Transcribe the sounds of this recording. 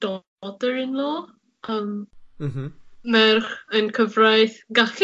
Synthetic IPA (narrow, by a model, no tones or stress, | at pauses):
d̥ɔ | dəɹɪnlˠoː | əm | mɛrχənkʰəvrajθɡaɬ